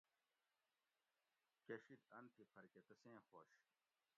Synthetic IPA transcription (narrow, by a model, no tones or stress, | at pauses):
keɕid̪ɐnt̪ipʰɐɾket̪ɐsẽːxo̰ːɕ